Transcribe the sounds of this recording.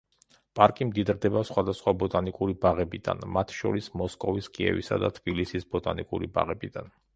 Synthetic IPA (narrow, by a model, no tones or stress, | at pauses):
pʼaɾkʼimd̪id̪ɾd̪ɛbasχwad̪asχwabɔt̪ʼanikʼuɾibaʁɛbid̪̥a̰nmat̪ʰʃɔ̰ɾismɔskʼɔviskʼiɛ̰vḭsa̰d̪at̪ʰb̥ilisisbɔt̪ʼanikʼuɾiba̰ʁɛbid̪an